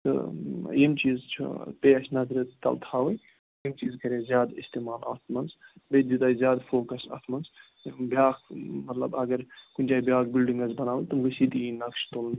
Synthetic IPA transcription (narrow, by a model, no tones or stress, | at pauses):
t̪ɨ̰jimt͡ʃiːzt͡ʃʰṵpeːɐʃʰnɐzɾɐt̪t̪ɐ̰lt̪ʰaːʋɐ | jimt͡ʃiːzkɐɾʲeːzjaːd̪ist̪eːmaːlɐ̰t̪ʰmɐnsbed͡ʒ̪it̪aːizʲjaːd̪foːkɐsɐ̰t̪ʰmɐns | bjaːkmɐt̪lɐ̰bɐɡɐɾkunʲt͡ʃaːibjaːkbilɖiŋɡɐzbɐnaːʋəjʲt̪ɨmɡɐsit̪iinɐkʃt̪oːln